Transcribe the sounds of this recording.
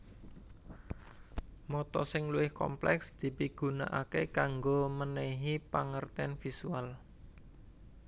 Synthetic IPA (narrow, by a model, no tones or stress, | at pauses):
mɔt̪ɔ̰sɪŋluwɪhkɔ̰mplɛksd̪̥i̤piɡ̥ṳna̰ʔakekaŋɡomənɛɦipaŋərt̪ɛnfisual